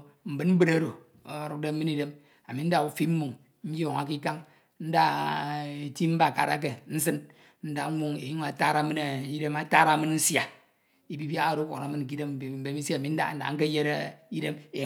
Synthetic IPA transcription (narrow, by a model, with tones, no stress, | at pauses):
m̩˨bɨ˦nm̩˦bɨ˦ɾa˦ɾo˨ | o˦ɾu˦k̚de˦m̩˦mɨ˦ni˦de˦m | a˨mi˨n̩˦da˦u˦fi˦m̩˦mu˨ŋ | ɲ̩˦jo˦˨ŋa˨k̬i˦ka˦ŋ | n̩˦da˦˨ | ti˦m̩˦ba˦˨ka̰˨ɾa̰˨˦k̬e˨n̩˦s̬ɨ˦n | n̩˦da˨˦ŋʷu˦ŋe˨ju˦ŋ˨a˨ta˦ɾa˨˦mɨ˦na˨i˦de˦ma˦ta˦ɾa˨˦mɨ˦n˦n̩˦sja˨ | i˦bi˦bja˦a˦˨ɾo˨˦kʷo˨na˨˦mɨ˦n̩˨k̬i˦de˦m˨m̩˦be˦mi˦sa˦˨a˨mi˨n̩˦da̰˦n̩˦da̰˨˦ŋ̩˦ke˦je˦ɾa˦i˦de˦me˨